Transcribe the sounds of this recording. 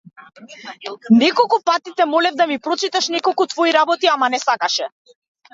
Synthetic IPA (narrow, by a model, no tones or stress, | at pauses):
nɛkɔlˠkupat̪it̪ɛmɔlɛvd̪amipɾɔt͡ʃit̪aʃnɛkɔlˠkut̪vɔiɾabɔt̪iamanɛsakaʃɛ